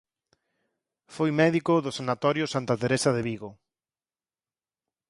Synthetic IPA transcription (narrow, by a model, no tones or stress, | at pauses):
fojmɛðikʊðʊsanat̪ɔɾjʊsant̪ɐt̪eɾesaðeβiɣo